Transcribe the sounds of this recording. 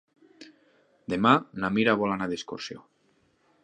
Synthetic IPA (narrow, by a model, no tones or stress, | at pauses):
d̪emanamiɾaβolanaðiskosjo